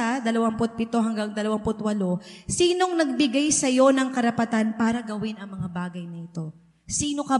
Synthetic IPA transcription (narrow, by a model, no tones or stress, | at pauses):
ad̪ɐlɐwampʊt̪̚pɪt̪o̞ɦɐŋɡaŋd̪ɐlɐwampʊt̪wɐlo̞siːno̞ŋnɐɡ̚bɪɡajsɐjo̞nɐŋkɐɾɐpɐt̪anpaːɾɐɡɐwɪnɐŋmɐŋabaːɡɐjnɐɪt̪o̞ | siːno̞kɐ